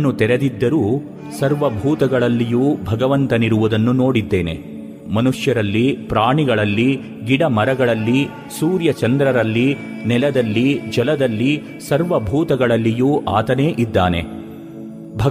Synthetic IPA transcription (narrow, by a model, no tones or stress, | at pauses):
nut̪ɛɾed̪id̪ːɐɾuː | sɐɾʋɐbʱuːt̪ɐɡɐɭɐlːijuːbʱɐɡɐʋɐnt̪ɐniɾuʋud̪ɐnːuno̞ːɽid̪ːeːnḛ | mɐnuʂjɐɾɐlːipɾaːɳiɡɐɭɐlːi | ɡiɽɐmɐɾɐɡɐɭɐlːi | suːɾjɐt͡ʃɐnd̪ɾɐɾɐlːi | nɛlɐd̪ɐlːid͡ʒɛlɐd̪ɐlːi | sɐɾʋɐbʱuːt̪ɐɡɐɭɐlːijuːʔaːt̪ɐneːʔid̪ːaːne̞̰ | bʱɐ